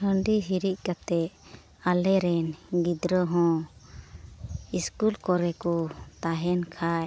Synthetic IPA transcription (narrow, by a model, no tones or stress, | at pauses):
əɳɖiɦiɾiʔ̚ˀkat̪ɛ | alɛɾɛnɡid̪ɾɔɦɔ̃ | iskulkɔɾɛkut̪aɦɛnkʰaj